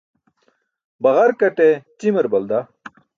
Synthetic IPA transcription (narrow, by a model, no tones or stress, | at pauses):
bɐʁɐɾkɐʈet͡ɕimɐɾbɐld̪a